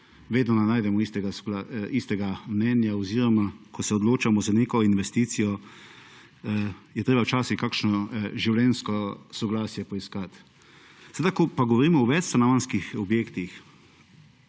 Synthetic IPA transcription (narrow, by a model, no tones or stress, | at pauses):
ʋeːd̪nɔnanajd̪ɛmɔist̪ɛɡaslaist̪ɛɡamnɛnjaɔziːɾɔmakʰɔsɛɔd̪loːt͡ʃamɔzaneːkɔinʋɛst̪iːt̪sijɔ | jɛt̪ɾeːbawt͡ʃaːsixkakʃnɔʒiwljɛnskɔsɔɡlaːsjɛpɔiskat̪ | sad̪akɔpaɡɔʋɔɾiːmɔɔʋɛt̪st̪anaʋanskixɔbjeːkt̪ix